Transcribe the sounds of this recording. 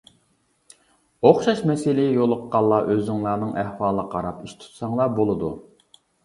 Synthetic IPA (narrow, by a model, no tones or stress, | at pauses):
oχʃɑʃmɛsɪlɪjjolˠʊqːɑlˠːɑʔøzɪŋlˠɑːnɨŋʔæhwɑːlˠəqʰɑɾɑpiʃt̪ʰu̥t̪sɑŋlˠɑbolˠɨd̪ṵ